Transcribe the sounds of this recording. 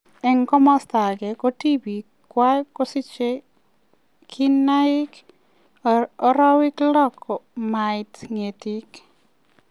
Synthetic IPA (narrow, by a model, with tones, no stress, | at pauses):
ɛ˨ŋkɔ˦mɔ˦sta˨ɡɛ˨kɔ˦ti˦bi˨ | kwa˦kɔ˦si˦t͡ʃe˦ | kʰi˦nːaɪ˦k | ɔ˦ɾa˦wɪ˦klɔ˦kɔmajtŋe˨tik